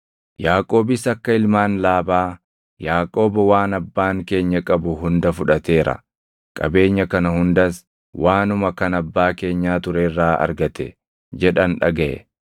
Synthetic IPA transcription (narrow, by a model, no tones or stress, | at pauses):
jaːkʼo̞ːbɪsɐkːɐɪlmaːnlaːbaː | jaːkʼo̞ːbɐwaːnɐbːaːŋke̞ːɲːɐkʼɐbʊɦʊnd̪ɐfʊᶑɐt̪e̞ːɾɐ̰ | kʼɐ̰be̞ːɲːɐkɐnɐhʊnd̪ɐs | wʔaːnʊmɐkɐnɐbːaːke̞ːɲːaːt̪ʊɾeːrːaːʔɐ̰ɾɡɐt̪ɛ | d͡ʒɛᶑɐnᶑɐɡɐʔɛ̰